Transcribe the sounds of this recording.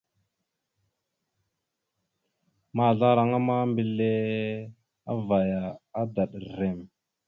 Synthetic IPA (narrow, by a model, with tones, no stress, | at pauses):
ma˦˨ɮa˦ɾa˦ŋa˦ma˦mbi˨le˦ | a̰˦va˨jaː˨˦da˨ɗɾe˨m